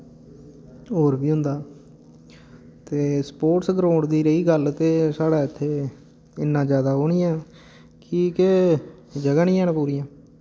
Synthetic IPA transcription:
ɦoːɾbiːɦʊ̃nd̪aː | t̪eːspoːʈsɡəɾoːɳd̪iːɾəiːɡəlt̪eːsaːɽaːɪt̪ʰːeː | ɪnːãːd͡ʒjaːd̪aːɦoːɽiːãː | kiːke | d͡ʒəɡaːnɪ̃ːãːnpuːɾiːãː

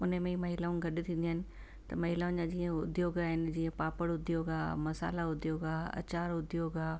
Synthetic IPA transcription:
ʊnəmẽimɐɦɪlaːʊ̃ɡʱɐɗɪt̪ʰĩːnd̪iaːɪnɪ̆ | t̪ɐmɐɦɪlaːʊ̃nd͡ʑad͡ʑĩːə̃ʊd̪ʱjoːɡaːɦɪnɪ̆d͡ʑĩːə̃paːpəɽʊd̪ʱijoːɡaːmɐsa̰ːlaʊd̪ʱjoːɡaːɐ̰t͡ɕaːɾʊd̪ʱjoːɡaː

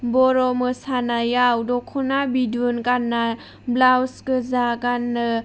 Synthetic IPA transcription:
bɔɾɔmɯsanajawdɔkʰɔnabidunkanːa | blawskɯzakanːɯ

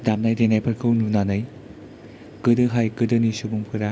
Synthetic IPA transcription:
damnajdenajpʰɐɾkʰɯwnunanɐj | kɯdɯɦajkɯdɯnisubuŋpʰɯɾa

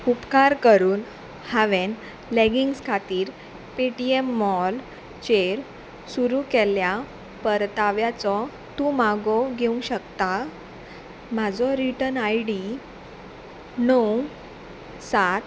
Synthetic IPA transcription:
upkaɾkəɾuːn | haʋen | leɡiŋɡskʰat̪iːɾ | piʈiemːɔl | t͡ɕeɾ | suɾukɛlja | pəɾt̪aʋjat͡sɔ | t̪ũmaɡɔɡʱeũɕəkt̪a | mad͡zɔɾiʈənajɽi | nəw | sat̪

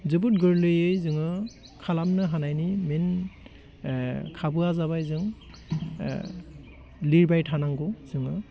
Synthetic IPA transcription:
zɯbutɡɯɹlɯjejzɯŋɯ | kʰalamnɯɦanajnimɛn | kʰabuazaβajzɯŋ | liɹbajtʰanaŋkuz̥ɯŋɯ

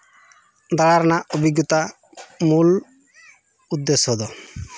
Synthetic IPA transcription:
d̪aɭaɾnaʔobiɡjɔt̪a | mul | ud̪ːesɦod̪ɔ

